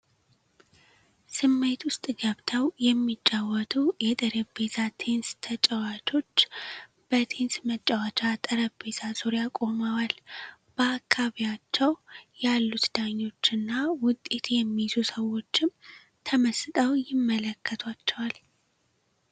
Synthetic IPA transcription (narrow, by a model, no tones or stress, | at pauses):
sɨmːe̞t̪wʊst̪ʼɡəβt̪ʰəwjɛmːit͡ʃʼːawɔt̪ʰujɛt̪ʼəɾəbe̞t̪ʰat̪ʰe̞nst̪ʰət͡ʃʼəwat͡ʃʰʼo̞t͡ʃː | b̥ət̪ʰe̞nsmət͡ʃʼːəwat͡ʃʼat̪ʼəɾəbbe̞t̪ʰasoɾjakʼo̞mawal | b̥əakʰːaβijat͡ʃːɛwjalːut̪d̪̥aɲːo̞t͡ʃːɨnːawʊt̪ʼːe̞t̪ʰjɛmːizusəwːo̞t͡ʃːɪm | t̪ʰəməsɨt̪ʼəwjɪmːələkʰːət̪ʰwat͡ʃːɛwal